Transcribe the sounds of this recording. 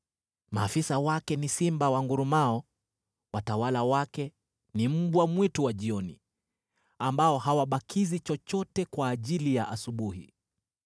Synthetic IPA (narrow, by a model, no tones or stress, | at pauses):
ma̰ːfisawakɛnisimbawaŋɡuɾumaɔ | watawalawakɛ | nim̩ɓwamwituwaʄiɔnḭ | ambaɔhawaɓakʰizit͡ʃɔt͡ʃɔtɛkwaːʄilijaʔasuɓuhḭ